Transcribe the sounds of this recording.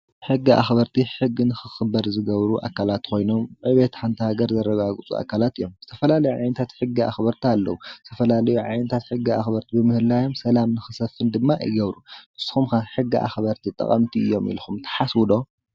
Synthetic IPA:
ħɨɡːiʔa̰xbɐɾt̪ʰiħɨɡːinɨxɨxɨbːɐɾzɨɡɐβɾuʔa̰kʰːalat̪kʰo̞jno̞mʕɨβet̪ħant̪ʰihaɡɐɾzɐɾːɐɡaɡɨt͡sʼṵa̰kʰːalat̪ɨjːo̞mz̥ɨt̪ʰɐfɐlalɐjuʕa̰jnɐt̪ʰat̪ħɨɡːia̰xbɐɾt̪ʰialːɐwuzɨt̪ʰɐfɐlalɐjuʕa̰jnɐt̪ʰat̪ħɨɡːiaxbɐɾt̪ʰibɨmɨhɨlajo̞msɐlamnɨxɨsɐfːɨnd̪ɨmːaʔɨ̰jɡɐβɾubɨsɨ̥xumxaħɨɡːiʔa̰xβɐɾt̪ʰit̪ʼɐ̰χʼɐ̰mt̪ʰiɨjːo̞mḭlxumt̪ʰɐ̥ħaswɨd̪o̞

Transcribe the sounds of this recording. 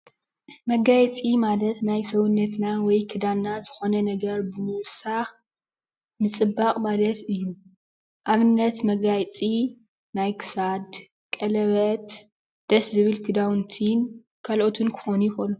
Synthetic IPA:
mɐɡajt͡sʼimalɐt̪najsɐwunːɐt̪nawɔjkʰɨd̪annazɨxo̞nɐnɐɡɐɾbɨmɨwsax | mɨt͡sʼɨbakʼmalɐt̪ɨjːu | ʔaβɨnːɐt̪mɐɡajt͡sʼi | najkʰɨ̥sad̪ | kʼɐlɐβɐt̪ | d̪̥ɐszɨβɨlkʰɨd̪awnt̪ʰin | kʰalʔo̞t̪ʰɨnkʰɨ̥xonujxonu

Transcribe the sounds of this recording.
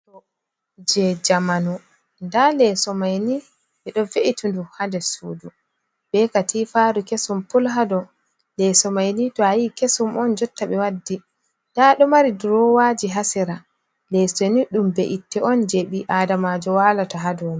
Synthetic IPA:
ɔ | d͡ʒɛd͡ʒamanu | ndalɛsɔmajni | ɓɛɗɔveʔitunduhandɛsuːdu | bɛkatʰiːfaɾukesumpɔlɦadɔ | lɛsɔmajnitɔajikesumɔnd͡ʒɔtːaɓɛwadːi | d̥aɗɔmaɾiduɾɔwad͡ʒiɦasiɾa | lɛsɔniɗumbɛʔitːɛɔnd͡ʒeɓiʔadamad͡ʒɔwalataɦadɔːni

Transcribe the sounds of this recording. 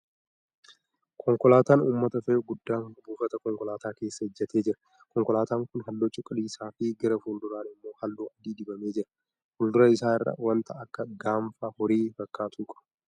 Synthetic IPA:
kʰɔŋkɔlaːt̪aːnuːmːɐt̪ɐfɛjoɡʊd̪ːaːŋhʊbuːfɐt̪ɐkɔŋkɔlaːt̪aːke̞ːsːɐhɪd͡ʒːɐt̪ʰe̞ːd͡ʒɪɾɐ | kɔŋkɔlaːt̪aːŋkʊnɦɐlːot͡ʃʼːʊkʼɐliːsaːfɪɡɐɾɐfuːld̪ʊɾaːnɪmːo̞ːhɐlːuːɐd̪iːd̪ɪbɐme̞ːd͡ʒɪɾɐ̥ | fuːld̪ʊɾɐɪsaːɪrːɐ̰wɐnt̪ʰɐːkːɐɡaːmfaːhɔɾiːfɐkːaːt̪ʰuːkʼɐ̥

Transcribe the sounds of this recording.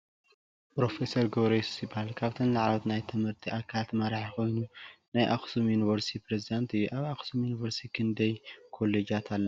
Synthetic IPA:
pɾo̞fesɐɾɡoβɾeszɨbahalkʰaβt̪ʰɨnlaʕlot̪najt̪ʰɨmhɨɾt̪ʰiʔakʰat̪mɐɾaħikʰo̞jnunajʔa̰xsumjuniβɐɾst̪ʰipɾezid̪ant̪ɨjuʔaβaxsumjuniβɐɾst̪ʰikʰɨnd̪ɐjkʰo̞lːed͡ʒat̪ʰalːɐ

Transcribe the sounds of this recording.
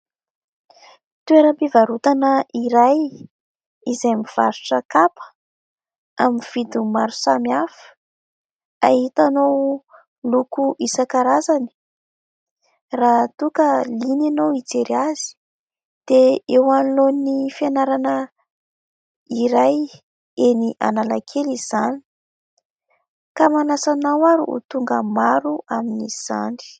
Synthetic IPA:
t̪ueɾəpivaɾut̪anəʔiɾaj | izajmiv̥a̰ɾuʈ͡ʂəkapə̥ | aminv̥id̪umaɾusamiaf | a̰ɦit̪anow | lukuʔisakaɾazani̥ | rat̪ukəlinanowit͡seɾiazi̥ | d̪̥eewanlonnifjanaɾanə | iɾaj | eniʔa̰nala̰kʰeliz̥ani̥ | kamanasanawaɾiṵt̪uŋɡəmaɾuʔaminiz̥a̰ni̥

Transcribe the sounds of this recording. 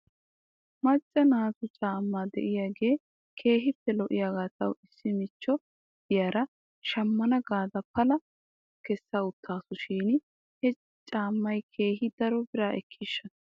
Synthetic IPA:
mɐt͡ʃʼːɐnaːt̪ʊt͡ʃʼaːmːaːd̪ɛ̰ʔɪjaːɡe̞ː | kʰe̞ːɦɪpːɛlɔʔɪjaːɡaːt̪ɐwɪsːɪmɪt͡ʃːɔ | d̪̥ɪjaːɾɐ | ʃɐmːɐnɐɡaːd̪ɐpɐlɐ | kɛsːaʊt̪ʰːaːsʊʃiːn | hɛ | t͡ʃʼaːmːɐjkʰe̞ːhɪd̪ɐɾɔbɪɾaːʔɛ̰kʰːiːʃːɐ

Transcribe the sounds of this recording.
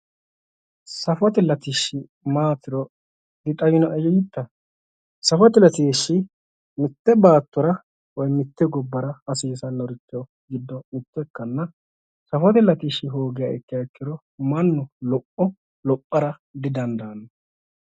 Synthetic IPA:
sɐfɐt̪ɛlɐt̪ɪʃːɪ | maːt̪ːɪɾɔ | d̪ɪt̪ʼɐjɪnɔʔɛjɛjɪt̪ːɐ | sɐfɐt̪ɪlɐt̪iʃːɪ | mɪt̪ːɛbaːt̪ːɔɾɐ | wɔjmɪt̪ːɛɡɔbːɐɾɐɐsiːsɐnːɔɾɪt̪ːɪɔ | ɡɪd̪ːɔmɪt̪ːɛkːɐnːɐ | sɐfɐt̪ɛlɐt̪ɪʃːɪɦoːɡɪjaɛkːɪjaɛkːɪɾɔ | mɐnːɔlɔpːɔ | lɔpʼːɐɾɐ | d̪ɪd̪ɐnd̪ɐːnːɐ

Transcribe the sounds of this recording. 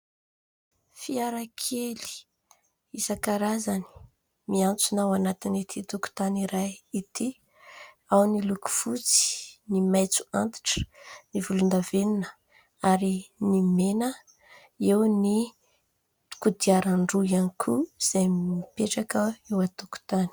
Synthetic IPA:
fiaɾakʰeli̥ | isakaɾazani̥ | miant͡sunawanat̪init̪ʰit̪uku̥t̪aniɾajit̪ʰi | awniluku̥fut͡si̥nimajt͡su̥a̰nt̪i̥ʈ͡ʂə̥nivulund̪aveninə̥ | aɾinimenə | ewni | u̥kud̪iaɾaɳɖ͡ʐujanikʰuz̥ajmipeʈ͡ʂakəewat̪uku̥t̪ani̥

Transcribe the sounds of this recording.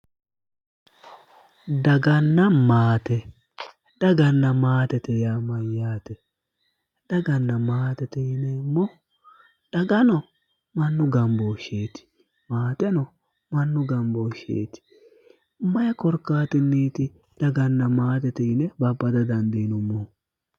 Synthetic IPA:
d̪ɐɡɐnːɐmaːt̪ɛ | d̪̥ɐɡɐnːɐmaːt̪ɛt̪ɛjaːmɐjːaːt̪ɛ | d̪̥ɐɡɐnːɐmaːt̪ɛt̪ɛnɛmɔ | d̪̥ɐɡɐnɔ | mɐnːʊɡɐmboːʃeːt̪ɪ̥ | maːt̪ɛnɔ | mɐnːʊɡɐmbɔːʃḛːt̪ɪ̥ | mɐjɐkɔɾkːaːt̪ɪnːiːt̪ɪ | d̪̥ɐɡɐnːɐmaːt̪ɛt̪ɛɪnɛbɐbːɐd̪ɐd̪ɐnd̪inɔmɔ

